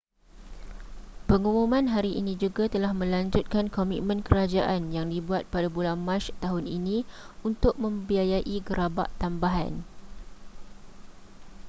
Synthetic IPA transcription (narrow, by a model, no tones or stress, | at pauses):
pəŋumũmãnɦaɾiʔinĩd͡ʒuɡat̪əlahmə̃laɲd͡ʒut̪̚kankomit̪̚mə̃nkəɾad͡ʒaʔanjaŋdibuat̪̚padabulanmãt͡ʃt̪aɦʊninĩ | unt̪ʊk̚mə̃mbiajaʔiɡəɾaba̰ʔt̪ambaɦa̰n